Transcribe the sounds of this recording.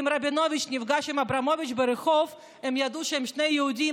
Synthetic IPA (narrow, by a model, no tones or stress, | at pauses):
mɾabʲɪnovʲɪt͡ʃnʲɪvɡaʃɛmɐbɾamovʲɪt͡ʃbəɾɨxɔf | ɛmjad̪uʃɛmʃnejːɪʊdʲi